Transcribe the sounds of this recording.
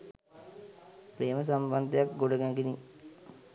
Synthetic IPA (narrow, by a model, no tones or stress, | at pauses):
pɾeːməs̬amband̪ejakɡoɽəɡæŋɡini